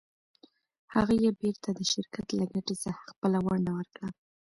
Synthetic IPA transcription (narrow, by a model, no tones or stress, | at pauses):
haɣajebeɾt̪ʰad̪əʃɪɾkat̪laɡaʈesaxaxpəlawaɳɖawəɾkɽa